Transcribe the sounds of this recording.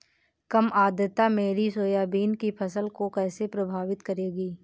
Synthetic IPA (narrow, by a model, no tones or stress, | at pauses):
kəmaːd̪jət̪ameːɾisoːjaːbiːnkipʰəsəlkokɛːsepɾɐbʱaːʋɪt̪kəɾeːɡiː